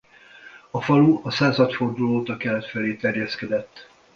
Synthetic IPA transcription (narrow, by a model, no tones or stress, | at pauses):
ɒfɒluɒsaːzɒt̪fo̞rd̪uloːt̪ɒkɛlɛt̪fɛleːt̪ɛrjɛskɛd̪ɛt̪ː